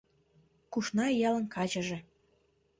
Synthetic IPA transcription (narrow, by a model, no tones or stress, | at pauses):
kuʃnɑjɑlə̆nkɑt͡ɕə̆ʒĕ